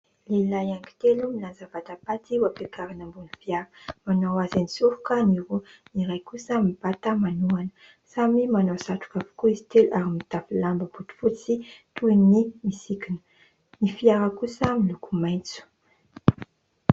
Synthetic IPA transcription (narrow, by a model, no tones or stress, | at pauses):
lelajaŋɡi̥t̪elumilanzav̥ad̪apat̪iwapekaɾanambunifiaɾəmanawazanisuɾukəniɾuniɾajkusəmib̥at̪əmanuanə̥ | samimanawsaʈ͡ʂu̥kavu̥kuizi̥t̪eluʔaɾimit̪afilambəbut̪u̥fut͡sit̪unimisikinə̥ | nifiaɾəkusəmilukumajnt͡su̥